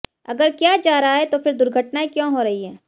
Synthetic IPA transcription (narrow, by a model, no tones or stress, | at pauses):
ɐɡəɾkjaːd͡ʒaːɾaɦaɦɛt̪ofɪɾd̪ʊɾɡʱəʈnaẽkjõːɦoːɾɐɦiɦɛː